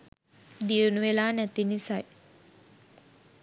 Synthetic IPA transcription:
d̪iunuʋelaːnæt̪inisaj

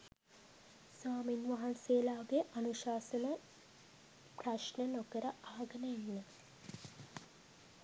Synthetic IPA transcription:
saːminʋaɦanseːlaːɡeʔanuʃaːsənə | praʃnənokəɾəaːaɡənəjenːə

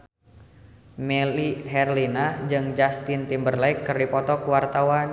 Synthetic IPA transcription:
mɛliɦɛrlinad͡ʒɨŋd͡ʒast̪ɪnt̪imbərlaikːɨrdipɔt̪ɔkuwart̪awan

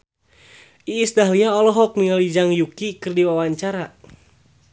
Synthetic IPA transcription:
ʔiːsdaɦliaɔlɔɦɔk̚niŋalid͡ʒaŋjukikɨrdiwawaɲt͡ʃaɾa

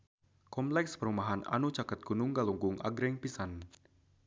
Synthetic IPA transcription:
kɔmplɛkspəɾumaɦana̰nut͡ʃakət̪̚ɡ̥unuŋɡaluŋɡuŋʔa̰ɡɾɛŋpisan

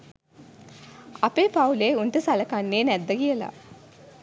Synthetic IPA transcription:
apeːpauleːunʈəsalɐkanːeːnæd̪ːəkijəla̰

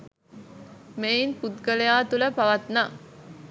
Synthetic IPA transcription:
meinput̪ɡəlejaːt̪uləpaʋat̪na

